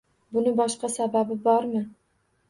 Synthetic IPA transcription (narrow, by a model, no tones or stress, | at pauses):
bʊnɪbɒʃqɑsababɪbɒɾmɪ